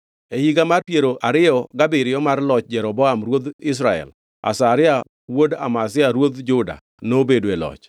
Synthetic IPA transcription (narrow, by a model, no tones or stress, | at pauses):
ehiɡamarpjeɾoʔaɾɪjɔɡabɪɾɪjɔmarlɔt͡ʃd͡ʒɛɾɔbɔamɾwod̪ɪs̬ɾaɛ̰l | a̰saɾɪa | woda̰mas̬ɪaɾwod̪d͡ʒʊda̰ | nobedwelɔ̰t͡ʃ